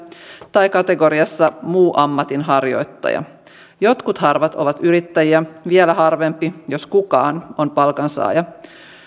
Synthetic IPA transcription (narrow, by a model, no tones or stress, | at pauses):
t̪ɑjkɑt̪eɡoɾiɑsːɑmuːʔɑmːɑt̪inɦɑrjo̞̰jt̪ːɑ̰jɑ̰ | jo̞t̪kut̪hɑrʋɑt̪o̞ʋɑt̪yɾit̪ːæjiæʋielæɦɑrʋempːijoskukɑ̰ːnompɑlkɑnsɑ̰ːjɑ